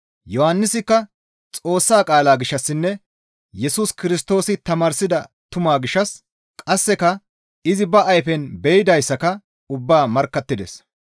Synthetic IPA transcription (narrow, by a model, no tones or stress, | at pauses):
jɔhɐnːɪsɪkːɐ | t͡sʼo̞ːsːaːkʼaːlaːɡɪʃːɐsːɪnːɛ | jɛsuskɪɾɪst̪o̞ːsɪt̪ɐmaːɾsɪd̪ɐ | t̪ʊmaːɡɪʃːɐs | kʼɐsːɛkɐ | ɪzɪbɐʔɐjfɛnbɛjɪd̪ɐjsːɐkɐ | ʊbːaːmɐɾkːɐt̪ːɪd̪ɛ̰s